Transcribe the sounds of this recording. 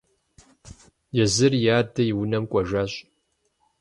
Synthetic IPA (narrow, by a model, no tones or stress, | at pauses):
jɛzɨrjaːdɐjɪwʊnɐmkʷʼɔʒaːɕʼ